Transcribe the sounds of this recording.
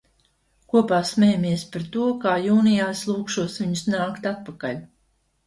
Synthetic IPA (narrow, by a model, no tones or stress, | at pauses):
kuɔpaːsmʲɛjamiɛspaɾt̪uɔkaːjuːnijaːslˠuːkʃuɔsviɲʊsnaːkt̪at̪̚pakaʎʲ